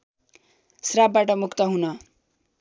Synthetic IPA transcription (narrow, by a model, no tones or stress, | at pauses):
srabbaʈʌmukʰt̪ʌɦunʌ